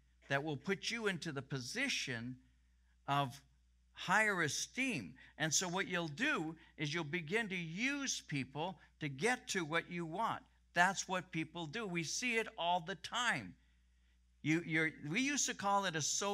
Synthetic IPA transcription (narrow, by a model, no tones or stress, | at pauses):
ðɨt̚wɪlˠpʰʊt͡ʃɨɪ̃ntʉðəpɨzɪʃɨ̃n | ʔʌv̥ | haɪə˞ɨstĩmʔɨ̃nsoʊwʌt͡ʃulˠdɨʔɨzjɨlˠbɨɡɪ̃ntɨjʉz̥pʰipl̩ˠtɨɡɛtʰɨwʌt͡ʃɨwɑ̃n | ðætswʌt̚pʰipl̩ˠdɨwisiɪɾɔlˠðətʰãɪ̃m | jɨjə˞wijʉstɨkʰɔlˠəɾɨsoʊ